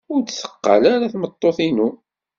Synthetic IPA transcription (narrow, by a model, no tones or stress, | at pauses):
ʊɾt͡sθə̥qːa̰laɾaθmət̪ˤːoθinu